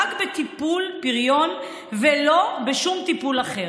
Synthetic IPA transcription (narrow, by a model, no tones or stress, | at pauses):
akbet̪ipulpiʁjo̞n | velo̞beʃumt̪ipulaχe